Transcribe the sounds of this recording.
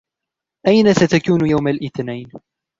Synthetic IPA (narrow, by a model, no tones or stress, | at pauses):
ʔajnasat̪akuːnjawmalʔɪθnajn